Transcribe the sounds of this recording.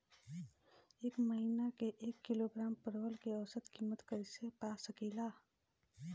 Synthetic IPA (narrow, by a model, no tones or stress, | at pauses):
eːkməɦiːnakeʔeːkːɪloɡɾaːmpəɾʋəlkeəʋsət̪kiːmət̪kəɾisepaːsəkiːlaː